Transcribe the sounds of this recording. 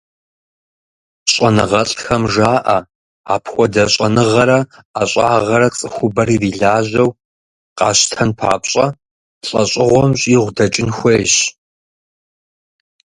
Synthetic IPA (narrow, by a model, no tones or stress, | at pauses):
ɕʼɐnɨʁɐɬʼxɐmʒaːʔɐ | a̰ːpʰxʷɔdɐɕʼɐnɨʁɐɾɐ | aɕʼa̰ːʁɐɾɐt͡sʼɨxʷʊbɐɾiːriːɮaːʑɐw | qɑːɕtʰɐnpʰa̰ːpɕʼɐ | ɬʼɐɕʼɪʁʷɔmɕʼiːʁʷdɐt͡ʃʼɪnxʷeːɕ